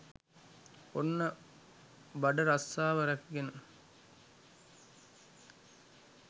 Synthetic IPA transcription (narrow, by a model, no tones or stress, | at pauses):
onːə | bɐɖɐɾɐsːaːʋɐɾɐkɡenə